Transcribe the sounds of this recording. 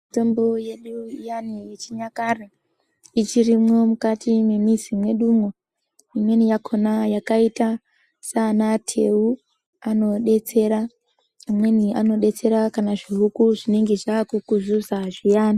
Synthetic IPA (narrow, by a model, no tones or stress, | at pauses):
mito̞mbo̞jeɗujaniet͡ʃiɲakare | it͡ʃirimwo̞mukatʰimemizimwe̞ɗuːmwo | imwe̞nijakʰo̞najakaita | sanatʰe̞u | ano̞ɗe̞t͡se̞ɾa | amwe̞niano̞ɗe̞t͡se̞ɾakanaʐiɦukuʐine̞ŋɡe̞ʐakukuzuzaʐijaːni